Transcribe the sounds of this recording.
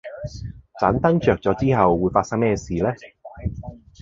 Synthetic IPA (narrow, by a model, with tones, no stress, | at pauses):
t͡sa̰ː˨˥nt̪ɐ˥ŋt͡ʃœː˨k̚t͡sɔː˨˧˥t͡siː˥ɦɐ˨wːuː˨˥jfaː˧tsɐ˥ŋmɛː˥˧siː˨˩lɛː˥